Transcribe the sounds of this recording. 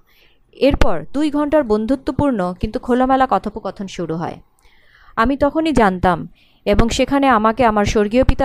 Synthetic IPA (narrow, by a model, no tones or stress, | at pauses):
eɾpɔɾd̪ujɡʱɔɳʈaɾbond̪ʱut̪ːopuɾnokint̪ukʰolomɛlakɔt̪ʰopokɔt̪ʰonʃuɾuɦɔ̰e | amit̪ɔkʰonid͡ʑant̪am | eboŋʃekʰaneamakeamaɾʃoɾɡiopit̪a